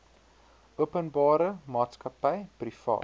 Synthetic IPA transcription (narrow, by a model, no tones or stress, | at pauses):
uəpənbɑːɾəmɑːtskɐpəjprifɑ̰ː